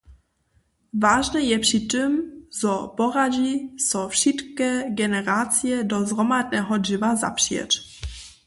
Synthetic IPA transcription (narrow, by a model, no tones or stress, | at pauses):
vaːʒnɛjɛpʂitɛmzɔpɔɾaʒisɔfʃɪt̪kɛɡɛnɛɾaːt͡sijɛdɔzʁɔmadnɛɦɔdʒɪvaza̰pʂjɛ̰t